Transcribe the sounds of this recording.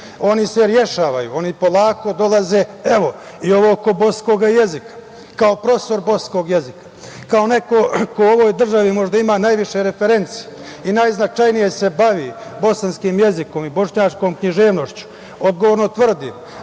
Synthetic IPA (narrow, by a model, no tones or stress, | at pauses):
o̞niseɾje̞ʃaːʋajṵo̞nipo̞lˠaːko̞d̪o̞lˠaze̞ːe̞ʋo̞ | io̞ʋo̞ko̞bo̞sko̞ɡaje̞zikḁ | kaopɾo̞st̪o̞ɾbo̞sko̞ːɡje̞zikḁ | kao̞ne̞ko̞koo̞ʋo̞ːjd̪r̩ʒaʋimo̞ʒd̪aimaːnajʋiʃe̞ɾe̞feɾe̞nt̪sije | inaːjznat͡ʃajnije̞se̞baʋibo̞sanskiːmje̞ziko̞mibo̞ʂɲaːt͡ʃko̞ːmkɲiʒe̞ːʋno̞ʃt͡ɕu̥ | o̞d̪̚ɡoʋoːɾnot̪ʋr̩d̪iːm